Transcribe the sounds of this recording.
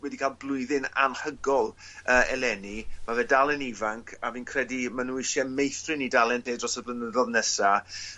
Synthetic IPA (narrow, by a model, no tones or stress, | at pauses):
wɛdikʰalˠblˠʊɨðɪna̰nhəɡɔlˠ | əːɛ̰lɛnimavɛdalˠɛnivaŋkʰaviːnkʰr̥ɛdimanuːɪʃɛmejθrɨnidalˠɛnbeːdrɔsəblənəðɔðnɛsa